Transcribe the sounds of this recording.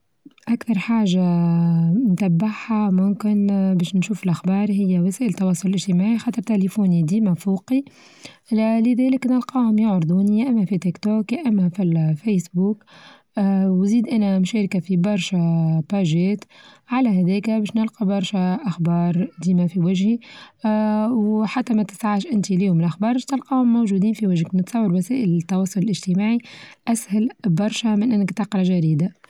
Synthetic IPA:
ʔakθɑɾˤħaːʒa | mt̪æbːaħamʊmkɪnbɛːʃnʃuːfɪlʔaxbɑːɾˤɦɪjːæwæsɛːʔɪlt̪ːɑwɑːsˤʊlɪlʔɪʒt̪ɪmaːʕixɑːt̪ˤəɾˤt̪elifuːnid̪iːmafuːqi | lɪðɛːlɪknɪlqɑːhʊmjʊʕɾd̪ˤuːniʔæmːæfit̪ɪkt̪oːkʔæmːæfilfesbuːk | wziːd̪ʔænæmʊʃɛːɾɪkafibɑɾˤʃapɑʒɛːt̪ʕalæɦæðɛːkæbɛːʃnɪlqɑbɑɾˤʃæʔaxbɑːɾˤd̪iːmæfiwæʒhi | wħat̪ːæmæt̪ɪ̥sʕaʃʔɪnt̪iliːʊmɪlʔaxbɑːɾbʃt̪ɪlqɑːhʊmːowʒuːd̪iːnfiwæʒhɪknət̪sˤɑwːɑɾˤwæsɛːʔɪlt̪ːɑwɑsˤːʊlɪlʔɪʒt̪imaːʕiʔæshɪlbɑɾˤʃæmɪnʔɪnːɪkt̪ɑqɾˤɑʒaɾiːd̪a

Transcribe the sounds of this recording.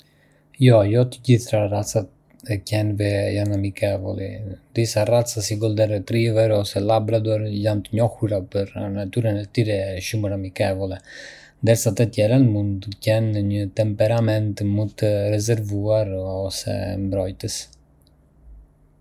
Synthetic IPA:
jɔjɔt̪əɟiθɾarat͡sat̪̚ | ɛcɛnvɛjanamikʰɛvɔlˠḭd̪isarat͡sasiɡɔlˠd̪ɛɾɛt̪ɾivɛɾɔsɛlabɾad̪ɔɾjant̪əɲɔhuɾapəɾnat̪yɾənɛt̪iɾɛʃuməɾamikɛvɔlˠɛ | nd̪ɛɾsat̪ɛt̪jɛɾanmund̪t̪cɛnɲət̪ɛmpɛɾamɛnt̪mund̪t̪ərɛzɛɾvuaɾɔsɛ̰mbɾɔjt̪əs

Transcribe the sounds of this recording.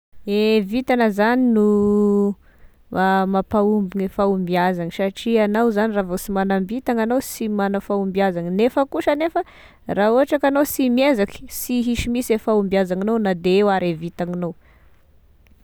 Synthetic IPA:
evit̪anəzaninu | mapaumbiɲefaumbiazaŋisaʈ͡ʂianawzaniravosimanambit̪aŋanowsimanafaumbiazaŋənefəkuʃənefə | rauaʈ͡ʂakanowsimiezaki̥siɦiʃimisefaumbiazaŋinonad̪eewaɾevit̪aŋinow

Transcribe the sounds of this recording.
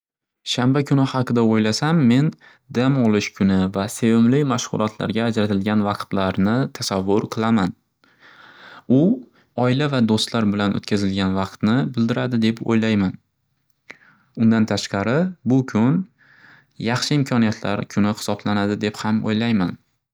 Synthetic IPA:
ʃambakʲʰʊnɪhɑqʰɨd̪aojlasamːe̞n | d̪amɒlˠɪʃkʲʰʊnɪvasevɪmlɪmaʃʁʊ̰lˠʔɒt̪ʰla̰ɾɡʲaːd͡ʒɾat̪ʰɪlɡʲanvɑqt̪laɾnɪt̪ʰasavːʊɾqʰɨlˠaman | ʊ | ɒɪlavad̪ost̪laɾbɪlanʔo̰t̪̚kʲʰazɪlɡʲanvɑqt̪nɪbɪld̪ɪɾad̪ɪd̪e̞po̰jlajman | ʊnd̪ant̪ʰaʃqɑɾɪbʊkʲʰʊn | jɑχʃɪɪmkʲʰɒnijat̪ʰla̰ɾkʲʰʊnɪhɪ̥sɒblanad̪ɪd̪e̞phamo̰jlajman

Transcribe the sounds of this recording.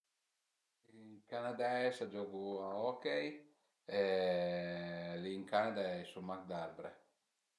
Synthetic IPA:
iŋkanad̪aɛsad͡ʒɔɡuaɔkej | e | liːŋkanad̪aɛsumak̚d̪aɾbɾe

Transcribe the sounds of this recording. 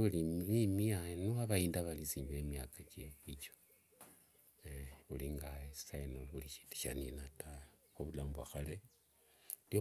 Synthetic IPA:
uliimianuaβaiːndaβalisiɲɡuemjakat͡ʃeit͡ʃo | eβuliŋɡaesi̥saenoβuliʃi̥ti̥ʃa̰ninataxoβulaːmbuaxale | ljo

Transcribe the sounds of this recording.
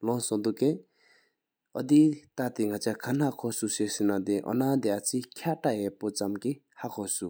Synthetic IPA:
lɔ̃sɔ̃d̪uke | ʌ̰d̪it̪at̪iŋat͡sakʰanɦakʰɔsusesinad̪eʔɔ̰nad̪eat͡sikʰjaʈaɦepot͡samki | hakʰɔsu

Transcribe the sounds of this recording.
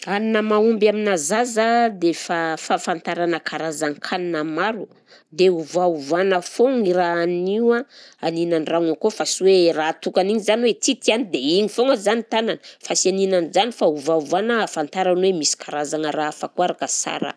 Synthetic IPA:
aninəmaumbaminazazəd̪efafafant̪aɾanəkʰaɾazaŋkʰaninamaɾu | d̪euvauvanəfoŋiraaniwaaninaniraŋakofasiwerat̪ukaniɲizaniwet͡s̪it̪ianid̪eiɲifoŋəzanit̪ananə̥fasianinanzanifauvauvanəfant̪aɾanwemisi̥kʰaɾazaŋəɾaafakuaɾakəsa̰ɾə̰

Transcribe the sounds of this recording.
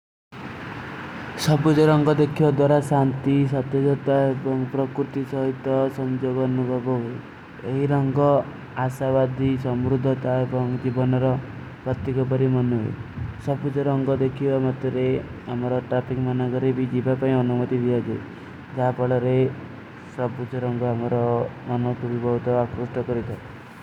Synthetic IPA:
sɔbud͡ʒɔɾɔŋɡɔd̪ekʰibad̪waɾasant̪isɔt̪ed͡ʒɔt̪aebɔŋpɾɔkɾut̪isɔɦit̪ɔsɔnd͡ʒoɡɔːnubʱɔbɔɦoe | eɦiɾɔŋɡɔ | asabad̪ʱisɔmɾud̪ʱːɔt̪aebɔŋd͡ʒibɔnɔɾɔ | pɾɔt̪jikɔpɔɾimɔnɦṵḛsɔbut͡ʃɔɾɔŋɡɔd̪ekʰibamat̪ɔɾeamɔɾɔʈɾapʰikmanaɡɔɾebid͡ʒibapaĩɔnumɔt̪ib̪ʱiad͡ʒɔj | d͡ʒaapɔɭɔɾe | sɔbud͡ʒɔɾɔŋɡɔamɔɾɔmɔnɔkubibʱɔɦut̪ɔakɾusʈɔkɔɾit̪a

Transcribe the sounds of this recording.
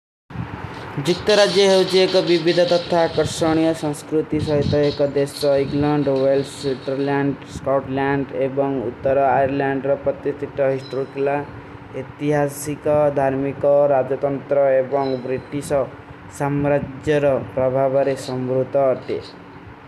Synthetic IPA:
d͡ʒuk̚t̪ɔɾad͡ʒjeɦewt͡ʃʰiekɔbibid̪ʱɔt̪ɔt̪ʰakɔɾsɔɽ̃ijɔsɔ̃ŋskɾut̪isɔɦit̪ɔekɔd̪esɾɔiŋlɔɳɖwelsiʈɾlaɳɖskɔʈlaɳɖebɔŋṵt̪ːɔɾɔajɾlaɳɖɾɔpɾɔt̪ist̪ʰiʈɔɦisʈoɾikla | it̪iɦasikɔd̪ʱaɾmikɔɾad͡ʒɔt̪ɔnt̪ɾɔebɔŋɡbɾiʈisɔ | samɾad͡ʒjɔɾɔpɾɔbʱabɔɾesɔmɾut̪ɔːʈ̪ḛ

